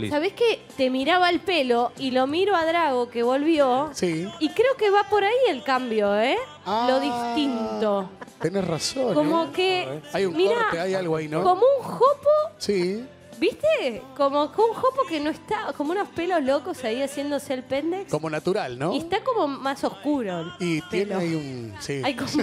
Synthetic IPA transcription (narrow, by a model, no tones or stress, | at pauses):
saβesket̪emiɾaβaelpeloilo̞miɾoaðɾaɣokeβo̞lβjosiikɾeokeβapo̞ɾaielkambjo̞e | alo̞ðist̪int̪ot̪enesrasokomokeajũnmiɾaeajalɣoainõko̞mouŋxoposi | bist̪ekomokuŋxopokenoehst̪akomounospelo̞zlokosaiasje̞nd̪oselpend̪ekkomonat̪uɾalnõiest̪ako̞mo̞maso̞hkuɾoit̪eloaiunsiajkom